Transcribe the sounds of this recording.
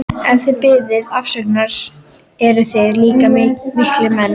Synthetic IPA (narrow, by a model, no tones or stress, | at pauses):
ɛnθɪðpɪðɪðafsɛknaɾ̥ | ɛɾʏθɪðliːkamɪmɪht̪lɪmɛnː